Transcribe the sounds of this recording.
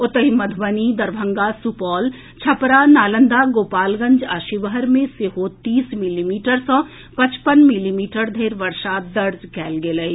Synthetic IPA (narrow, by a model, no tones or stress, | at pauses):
ʊt̪əɦimɐd̪ʱbənid̪ɐɾbʱə̃ŋɡaːsupɔːl | t͡ʃʰɐpɾanaːlə̃nd̪aːɡoːpaːlɡɐ̃ɲd͡ʒaːʃiʋəɦəɾmẽseɦoːt̪ːiːsmɪliːmiːʈəɾsɔ̃ː | pɐ̃t͡ʃpənmɪliːmiːʈəɾd̪ʱeːɾʋɐɾʃaːt̪̚d̪ɐɾd͡ʒkɛːlɡeləi